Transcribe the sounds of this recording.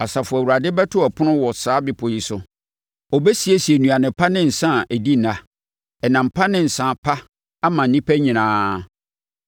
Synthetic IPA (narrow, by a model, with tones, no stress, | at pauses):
a˨sa˨fʊ˨æ˨wu˨ɾa˨dɪ˦bɛ˦tʰʊ˦æ˨pʰʊ˦nʊ̃˦wɔ˨saː˨˦bɪ˨pʰʊ˨ji˨sʊ˨ | ɔ˨bɛ˦si˨e˦si˨e˨nũ˨a˨nɪ̃˨pʰa˦nɪ̃˦n̩˨sã˦˨ʔæ˨di˦˨nã˨ | ɛ˨nã˨m̩˨pʰa˦nɪ̃˦n̩˨sã˨pʰa˦ | a˦mã˨n̩˨nĩ˦pʰæ˦ɲĩ˨nãː˦